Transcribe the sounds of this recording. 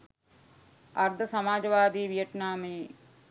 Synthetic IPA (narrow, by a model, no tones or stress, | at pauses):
ɐɾd̪ʱəsɐmaːd͡ʒɐʋaːd̪iːʋijəʈnaːme